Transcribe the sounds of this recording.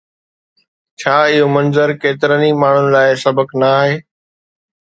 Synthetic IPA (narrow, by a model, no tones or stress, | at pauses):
t͡ɕʰaːɪɦoːmɐnzəɾkeːt̪ɪɾənimaːɳ̤ʊnɪ̆laːɪsɐbəknaːɦeː